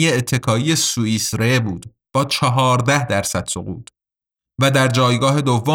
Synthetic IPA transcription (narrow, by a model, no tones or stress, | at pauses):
jeːt̪ʰːe̞kʰɒːije̞suːiːsɾebuːd̪̥ | b̥ɒːt͡ʃʰɒɦɒːɾd̪æhd̪æɾsæd̪̥soɣṵːt̪ʰ | væd̪æɾd͡ʒɒːjɡɒːɦe̞d̪ovːo